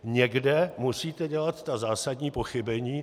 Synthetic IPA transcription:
ɲɛɡdɛmusiːt̪ɛɟɛlat̪t̪azaːsadɲiːpo̞xɪbɛɲiː

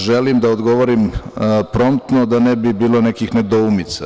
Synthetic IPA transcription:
ʒelimd̪aod̪ɡo̞ʋoɾimpɾo̞mt̪nod̪anebibiːlˠo̞ne̞kixned̪oumit̪sa

